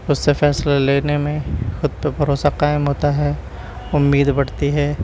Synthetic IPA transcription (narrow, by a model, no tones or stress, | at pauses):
ʊsːefɛːslaleːnemẽxʊd̪̚pəbʱɐɾoːsaqaːɪmɦoːt̪aɦɛː | ʊmːiːd̪bɐɽt̪iɦɛː